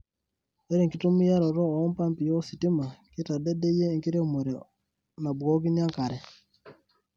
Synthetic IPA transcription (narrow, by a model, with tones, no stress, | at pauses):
e˦ɾe˦˨ŋki˦tu˦mu˦ja˦ɾo˨ɾo˦˨o˦mpa˦mpi˨jo˦si˨ti˦ma˨ki˦ta˨de˦ɗe˦je˦˨ŋki˦ɾe˦mu˨ɾi˨ | na˨bo˦ki˦nja˦ŋka˨ɾe˨